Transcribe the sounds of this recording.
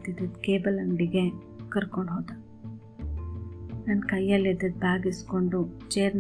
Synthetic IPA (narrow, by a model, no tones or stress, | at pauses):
t̪id̪ɐd̪keːbɐlɐŋɖiɡe | kɐɾkoɳɖɦoːd̪a | nɐnkɐjːɐlːid̪ːɐd̪̚bʱaːɡiskoɳɖut͡ʃeːɾn